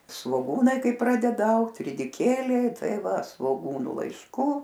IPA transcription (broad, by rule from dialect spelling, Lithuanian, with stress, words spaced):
sʋoːˈɡuːnɐɪ ˈkɐɪ ˈprɑːdʲɛdɐ ˈɐʊkt rʲɪdʲɪˈkʲeːlʲɛɪ ˈtɐɪ ˈʋɐ sʋoːˈɡuːnʊ lˠɐɪʃˈkuː